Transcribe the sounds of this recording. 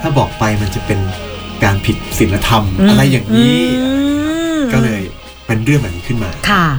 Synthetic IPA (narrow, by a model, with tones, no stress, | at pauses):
t̪ʰaː˥˩bɔː˨˩k̚pa˧jma˧nt͡ɕa˨˩pe˧nkaː˧npʰi˨˩t̪̚si˨˩˦nla˧t̪ʰa˧mʔa˧ɾa˧jːaː˨˩ŋniː˦˥ | kɔː˥˩lɤː˧j | pe˧nɾɯ˥˩əmʔa˨˩niː˦˥kʰɯ˥˩nmaː˧kʰa˥˩